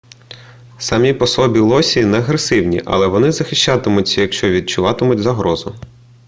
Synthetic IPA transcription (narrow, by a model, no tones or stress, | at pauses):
sɐmʲipɔsɔbʲilˠɔsʲinɛɐɦɾesɪwnʲḭʔɐ̰lˠɛʋɔnɪzɐxɪʃt͡ʃɑt̪ɪmʊtʲːɐjɐkʃt͡ʃɔʋʲid̪̚t͡ʃʊʋɑt̪ɪmʊtʲzɐɦɾɔzʊ̰